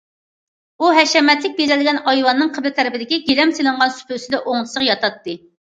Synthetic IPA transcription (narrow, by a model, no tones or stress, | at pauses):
uɦɛʃɛmɛt̪lɪk̚ʲbezɛlɡʲɛnɑjwɑnːɨŋqʰəbt̪ʰɛɾɪpɪd̪ɪkʲiɡʲelɛmselˠɨɴʁɑnsy̥pʰøsɪd̪ɛʔoŋlˠɨsəqjɑt̪ʰɑt̪ːɨ